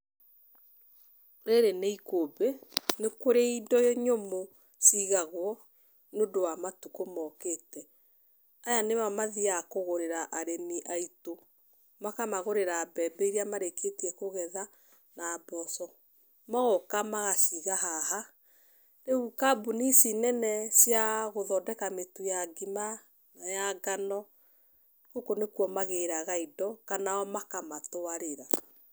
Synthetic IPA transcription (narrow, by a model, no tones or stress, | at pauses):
ɾeɾeneikobenekoɾeidɔjɔɲomo | ʃiɣaɣwɔ | nodowamatukomɔketɛ | ajanemamaðiakoɣoɾeɾaʔaɾeniʔaito | makamaɣoɾeɾaːbɛbɛiɾiamaɾeketiɛkoɣɛða | nabɔsɔ | maɣokamaɣaʃiɣaɦaha | neɣukabunisinɛnɛsjaɣoðɔdɛkametujaɡima | najaɡanɔ | kokonekwɔmaɣeɾaɣaidɔkanaɔmakamatoaɾeɾa